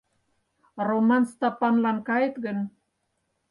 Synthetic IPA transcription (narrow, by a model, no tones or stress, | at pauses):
romanst̪apanlankɑet̪ɣən